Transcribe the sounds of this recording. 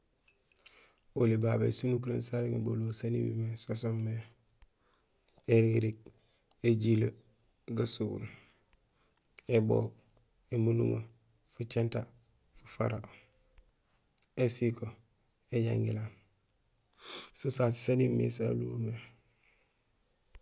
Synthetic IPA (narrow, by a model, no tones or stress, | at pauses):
ulibabḛsunuk̬uɾḛnsaɾiŋebo̰losanḭbḭmesosomːe | eɾiɡiɾik̚ | eɟila | ɡasuṵl | ebo̰k | emunṵŋo | fut͡ʃenta | fu̥fa̰ɾa | esiko | eɟa̰ŋɡilaːn | susatsanimḛsa̰luŋome